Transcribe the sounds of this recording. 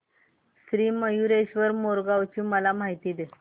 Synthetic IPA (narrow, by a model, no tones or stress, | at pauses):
sɾiːməjuɾeɕʋəɾmoɾɡaʋt͡ɕiːməlam̤aɦit̪iːd̪e